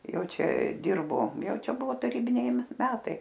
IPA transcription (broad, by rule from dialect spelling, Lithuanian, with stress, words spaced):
ˈjɛʊ ˈt͡ʃʲɛ ˈdʲɪrboː ˈjɛʊ ˈt͡ʃʲɛ ˈbʊʋoː tɐˈrʲiːbʲɪnʲɛɪ ˈmʲæːtɐɪ